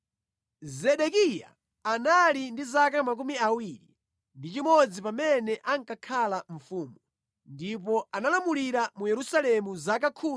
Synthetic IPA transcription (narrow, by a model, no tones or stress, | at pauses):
zɛɗɛkija̰ | analindizakamak̬umiawiɾḭ | ndit͡ʃimɔd͡zipamɛnɛʔaŋkakʰalaɱ̩fuːmu | ndip̬ɔanalamuliɾamujɛɾusalɛmuzakakʰuː